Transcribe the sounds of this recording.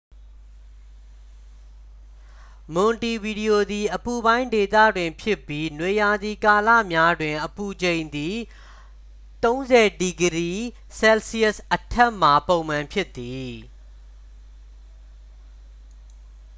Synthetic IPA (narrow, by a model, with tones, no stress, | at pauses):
mʊ̃˨nti˨bi˨di˨jo˨d̪i˨ʔəpu˨bã˦ɪ̃nde˨t̪ä̰˦˨dwɪ̃˨mpʰjɪ˦pːji˦nwe˨ja˨d̪i˨ka˨lä̰˦˨mja˦dwɪ̃˨ʔəpu˨d͡ʑẽ˨ɪ̃nd̪i˨ | t̪õ˦ʊ̃nzɛ˨di˨ɡəɾi˦˨ | sɛ˦lsi˦ə˦˨sʔətʰɛ˦ʔm̥a˨põ˨ʊ̃mã˨mpʰjɪ˦t̪ːi˨